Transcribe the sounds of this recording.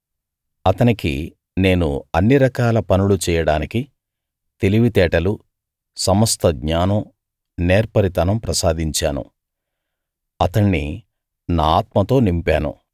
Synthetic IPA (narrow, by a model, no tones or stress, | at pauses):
ɐt̪ɐnikḭ | ne̞ːnṵɐnːiɾɐkaːlɐpɐnulut͡ʃɛːjɐɽaːniki | t̪eliʋit̪ɛːʈɐlu | sɐmɐst̪ʰɐɡɲaːnɐm | neːɾpɐɾit̪anɐmpɾɐsaːd̪iɲt͡ʃaːnṵ | ɐt̪ɐɳːḭ | naːaːt̪mɐt̪o̞ːnimpaːnṵ